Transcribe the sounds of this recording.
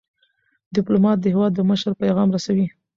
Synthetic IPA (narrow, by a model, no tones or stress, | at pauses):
d̪ɪplumɑt̪̚d̪əhɪwɑd̪ːəməʃɾpajɣɑmɾasawi